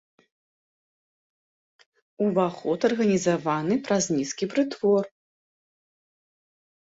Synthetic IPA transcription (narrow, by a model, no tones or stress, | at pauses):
uvaxɔt̪ɐrɣɐnʲizavanɨpɾɐzʲnʲiskʲipɾɨt̪vɔr